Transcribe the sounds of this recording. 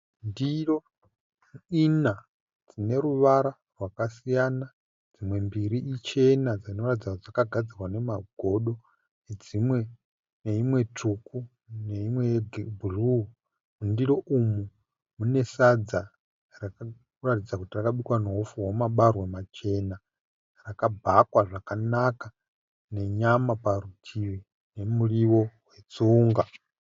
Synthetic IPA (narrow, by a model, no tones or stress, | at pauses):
ndiro̞ | ina | d͡zine̞ɾuʋaɾa | rwakasijana | d͡zimwe̞mbiɾiːt͡ʃe̞nad͡zino̞ratid͡zad͡zakaɡʱad͡zirwane̞maɡʱo̞ɗo̞ | ned͡zimwe̞ | ne̞imwe̞tuku | ne̞imweɡbʱuru | mundiɾoʔumu | mune̞sad͡za | raka | ratid͡zakutirakaɓikwanoɦufuwomaɓarwemat͡ʃe̞na | rakabʱakwaʐakanaka | ne̞ɲamaparutʰiʋi | ne̞muriwo̞we̞t͡suːŋɡa